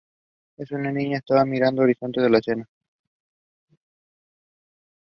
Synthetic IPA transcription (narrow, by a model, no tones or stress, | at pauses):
esunanĩɲaest̪aβamiɾand̪oːɾiso̞nt̪eðelasena